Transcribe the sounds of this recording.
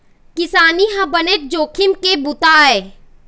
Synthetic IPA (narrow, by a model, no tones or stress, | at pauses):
kɪsaːniɦãbɐnet̪̚d͡ʒoːkʰɪmkebʊt̪aːeː